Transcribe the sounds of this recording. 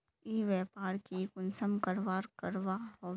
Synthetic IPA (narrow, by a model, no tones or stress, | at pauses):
iːʋɛːpaːɾkikʊnsəmkəɾʋaːɾkəɾʋaɦoː